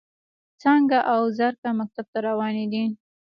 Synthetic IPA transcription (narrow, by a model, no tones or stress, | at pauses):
t͡sɑŋɡaʔawzaɾkamak̚t̪ab̚t̪aɾawɑned̪in